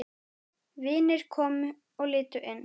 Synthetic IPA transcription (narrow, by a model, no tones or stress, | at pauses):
vɪːnɪɾ̥kʰɔːmʏ | ɔɣlɪːt̪ʏʔɪnː